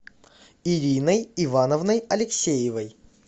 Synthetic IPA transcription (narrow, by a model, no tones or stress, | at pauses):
ɪɾʲinəjɪvanəvnəjɐlʲɪksʲejɪvəj